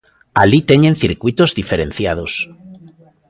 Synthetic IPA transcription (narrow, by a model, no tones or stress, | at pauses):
alit̪e̞ɲẽnθiɾkwit̪ozðife̞ɾẽ̞n̟θjað̞os